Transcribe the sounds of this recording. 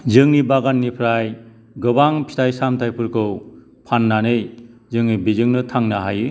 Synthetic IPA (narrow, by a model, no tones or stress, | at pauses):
zɯŋnibaɡanːipʰɾaj | ɡɯbaŋpʰi̥tajsamtʰajpʰɯɾkʰɯw | pʰanːanɯjzɯŋnibizɯŋnɯtʰaŋnaɦajɯ